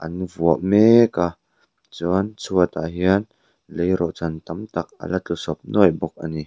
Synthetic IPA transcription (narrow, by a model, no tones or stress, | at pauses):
ʔɐnvuəʔmeka | t͡sɔnt͡sʰuət̪a̰ʔɦiən | lejɾɔʔt͡sant̪ɐmt̪ɐk̚ʔɐ̰lɐtusɔp̚nɔjbɔk̚ʔani